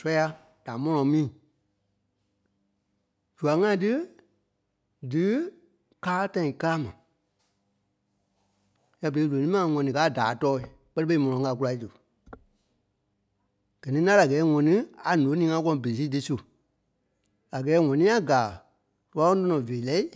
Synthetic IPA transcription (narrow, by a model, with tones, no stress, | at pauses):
sɔ˧˦ja˧ | d̥a˨mɔ̃˧nɔ̃˨˧˦mĩː˦˨ | d͡ʒu˨a˨˦ŋã˧˦t̬ɨ˦ | dɨ˨˦ | kaː˦tã˧ĩ˨ka˧la˦mã˨ | ja˧˦be˨i˧˦lo˨nĩ˦mã˨ŋɔ̃˨nĩ˨kaː˨˦˨daː˨˦tɔː˦i˨ | k͡pɜ˦ɾɨ˦ɓe˦i˦mɔ̃˨nɔ̃˨˦ŋa˧˨k̬u˧la˧˨i˦tɨ˨ | ɡ̥ɜ˨nĩ˦nã˦la˨ɡɛː˨˦ŋɔ̃˨nĩ˦a˨nõ˨˦nĩː˨˦ŋã˧˦k̬ɔ̃˦ɔ̃˨be˨i˨s̬iː˦tɨ˧su˦ | a˨ɡɛː˨˦ŋɔ̃˨nĩ˨˦a˦ɡaː˨ | tu˦a˦kɔ̃˦tɔ̃˦nɔ̃˨veː˨lɛ˦i˦